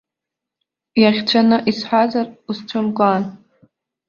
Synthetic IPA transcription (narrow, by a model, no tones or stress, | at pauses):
jaχʲt͡ʃʷʰanɨʔisħʷazarusʈ͡ʂʷʰʊmkʷʼaːn